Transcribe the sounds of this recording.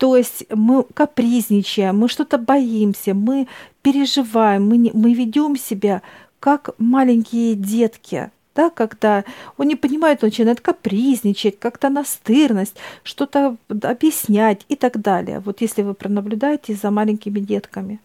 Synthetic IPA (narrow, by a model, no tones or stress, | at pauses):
t̪o̞jɪsʲtʲmɨkɐpɾʲizʲnʲɪt͡ɕɪjəmːɨʂt̪o̞t̪əbɐimsʲəmɨpʲɪɾʲɪʐɨvajɪmːɨnʲːɨvʲɪdʲo̞msʲɪbʲa | kakmalʲɪnʲkʲɪjədʲe̞t̪kʲɪ̰ | d̪̥akɐɡd̪aonnʲɪpənʲɪmajɪt̪nət͡ɕɪnajɪt̪̚kɐpɾʲizʲnʲɪt͡ɕɪtʲkakt̪ənɐst̪ɨrnəsʲtʲʂt̪o̞t̪əɐbjɪsʲnʲætʲɪt̪aɡd̪alʲɪ̰jə̰vo̞t̪jesʲlʲɪvɨpɾənəblʲʊd̪ajɪtʲɪzəmalʲɪnʲkʲɪmʲɪdʲet̪kəmʲɪ